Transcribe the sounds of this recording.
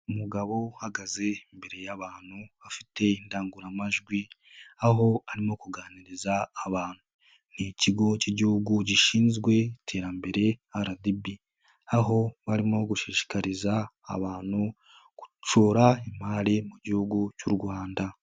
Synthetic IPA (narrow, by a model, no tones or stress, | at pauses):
umuɡaβo̞haɡaze̞imbe̞ɾe̞jaβaːn̥uafite̞indaːŋɡuɾamaʒɡwi | aɦo̞aɾimo̞kuɡaːniɾizaːβaːn̥hu | niciɡo̞ciɟihuɡuɟiʃiːnzɡwe̞tʰe̞ːɾambe̞ɾe̞aɾadibi | aɦo̞βaɾimoɡuʃiːʃi̥kaɾiza̰ːβaːn̥hu | ku̥t͡ʃoɾaimaːɾimuɟihuɡucuɾɡwaːnda